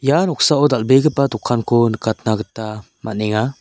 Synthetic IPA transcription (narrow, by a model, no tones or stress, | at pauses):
janɔksaɔdalbeɡɯpadɔkʰːankʰɔnəkat̪̚naɡɯta | ma̰neŋa